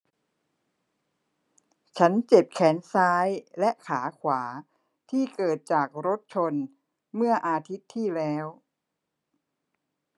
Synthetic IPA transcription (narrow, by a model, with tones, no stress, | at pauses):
t͡ɕʰa˦˥nt͡ɕe˨˩p̚kʰɛː˩˦˥nsaː˦˥jlɛ˦˥ʔkʰaː˩˦kʰwaː˩˦ | t̪ʰiː˥˩kɤː˨˩t̪̚t͡ɕaː˨˩k̚ɾo˦˥t̪̚t͡ɕʰo˧n | mɯ˥˩ɐʔaː˧t̪ʰi˦˥t̪ʰːiː˥˩lɛː˦˥w